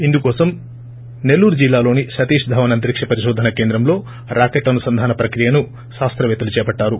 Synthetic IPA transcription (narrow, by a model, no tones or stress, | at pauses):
ind̪ukɔːsɐm | ne̞lːuːɾud͡ʒilːaːloːniʃɐt̪iːʂd̪ʱɐʋɐnɐnt̪ɾikʂɐpɐɾiʃɔːd̪ʱːɐnɐke̞ːnd̪ɾɐmlo̞ː | ɾʔaːkeʈːɐnusɐnd̪ʱaːnɐpɾɐkɾijɐnu | ʃaːst̪ɾɐʋɛːt̪ɐlut͡ʃɛːpɐʈːaːɾu